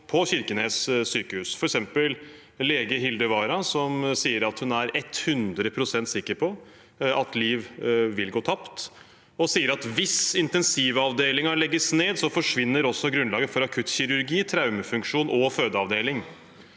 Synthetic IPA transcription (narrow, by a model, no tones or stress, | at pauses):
pʰɔçɪɾkənessyːkəhʉːsfɔɾɛksɛmpəl | leːɡəɦɪld̪əʋɑːɾɑsɔmsiːəɾɑt̪hʉnæɾɛt̪ːhʉnd̪ɾəpʰɾʊsɛnt̪sɪkːəɾpʰɔ | ɑt̪liːʋʋɪlɡoːt̪ʰɑpt̪ | ɔsiːəɾɑt̪ʋɪsɪnt̪ɛnsiːʋəɑʋd̪eːlɪŋɑɭɛɡːəsneːd̪sɔfɔʂʋɪnːəɾɔsːɔɡɾʉnlɑːɡəfɔɾɑkʰʉt̪çɪɾʉɾɡiːt̪ʰɾɑʉməfʉŋkʂuːnʔɔføːd̪əɑʋd̪eːlɪŋ